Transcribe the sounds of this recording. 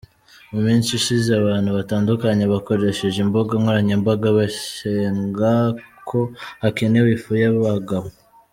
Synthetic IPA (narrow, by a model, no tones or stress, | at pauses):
umiːnsiʃizeaβaːn̥huβataːndukaɲe̞βako̞ɾe̞ʃe̞ʒimbo̞ɡaŋhoɾaɲemboɡaβaʃeːŋɡakʰo̞hakenewifujaβaɡaβo